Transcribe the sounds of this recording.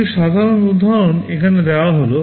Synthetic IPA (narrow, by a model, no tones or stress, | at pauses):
iʃad̪ʱaɾonud̪ʱːaɾonekʰaned̪ɛwaɦolo